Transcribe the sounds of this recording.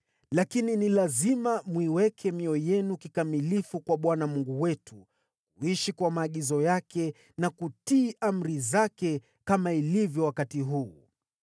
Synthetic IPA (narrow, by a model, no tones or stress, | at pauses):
lakininilazimamwiwɛkʰɛmiɔjɛnukikamilifukwaɓwanamuŋɡuwɛtʰu | kuiʃikwamaːɠizɔjakɛ | nakutiːʔam̩ɾizakɛ | kamailivjɔwakatiɦuː